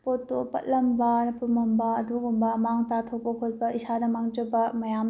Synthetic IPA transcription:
potːopɐ̰t̚lɐmbɐnɐpumɐmbɐːdoɡumbɐmaŋtatʰok̚pɐkʰot̚bɐisanɐmaŋd͡ʒɐbɐmɐjam

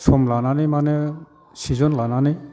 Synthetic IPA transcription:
sʰɔmlananimane | sizɔnlanani

